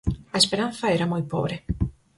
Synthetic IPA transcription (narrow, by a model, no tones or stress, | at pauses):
ɐespeɾan̟θɐeɾamojpo̰βɾe